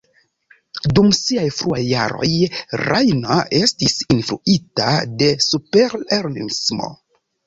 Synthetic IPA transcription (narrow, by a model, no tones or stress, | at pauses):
dumsiajfɾuajːa̰ɾo̞̰jɾajnoe̞stisinfɾuita̰de̞supeɾeɾlismo̰